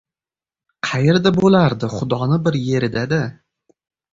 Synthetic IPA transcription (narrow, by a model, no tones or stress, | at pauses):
qʰɑjeɾd̪abolaɾd̪ɪχʊd̪ɒnɪbɪɾje̞ɾɪd̪ad̪a